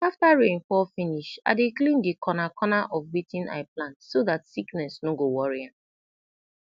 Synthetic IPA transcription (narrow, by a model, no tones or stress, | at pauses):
aftaɹẽnfɔfiniʃa̰deklĩndikʰɔnakʰɔnaʔɔfwitĩna̰ɪplãntsoðatsiknɛsnoɡowɔɹiãn